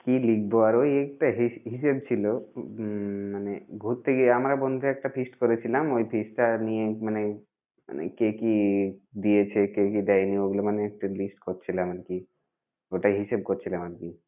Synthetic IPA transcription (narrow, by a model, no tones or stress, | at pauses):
kilikʰboaɾojek̚ʈaɦiɦiʃebt͡ɕʰilo | manebʱout̪ʰːekeamɾabɔnd̪ʱeɛk̚ʈapʰisʈkɔɾet͡ɕʰilamojpʰisʈːanijemane | ma̰nḛkekid̪ijet͡ɕʰekekid̪ɛjnioɡulemaneek̚ʈelisʈkɔɾt͡ɕʰileamanki | oʈaɦiʃeb̚kɔɾt͡ɕʰileamanki